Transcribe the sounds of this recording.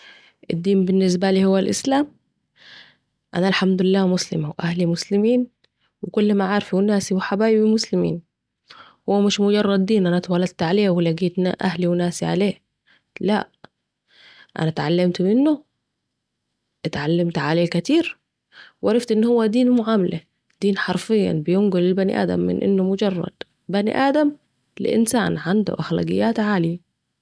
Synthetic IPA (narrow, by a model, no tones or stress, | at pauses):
ʔɪd̪ːiːmbɪnːɪs̬bæliːhʊwːælʔɪ̰slaːm | ʔæ̰nælħamd̪ʊlɪlːæːmʊslɪ̰mawʔæhlimʊslɪmiːn | wɪkʊlːmaʕaɾfiwɪnæːsiwħabaːjibimʊslɪmḭːn | hʊwːæmɪʃmʊɟɑrˤːɑd̪ːiːnʔænæt̪wɑlɑd̪̚t̪ʕaleːwɪlæɡiːt̪n̰ʔæhliwnæːsiʕa̰leː | læ̰ʔ | ʔa̰nat̪ʕalːamt̪mɪnːʊ | ʔɪt̪ʕalːamt̪ʕaleːkæt̪iːɾ | wʔɑɾˤɑft̪ʔɪnːhʊwːæd̪iːnmʊʕaːmala | d̪̥iːnħɑɾˤfɪjːa̰nbɪjʊŋɡʊlɪlbanḭʔa̰ːd̪a̰mːɪ̰nʔɪ̰nːʊmʊd͡ʒɑrˤːɑ̰d̪̥ | banḭʔaːd̪am | lɪ̰ʔɪ̰nsaːnʕand̪ṵʔaxla̰ːɡɪ̰jːaːt̪ʕaːli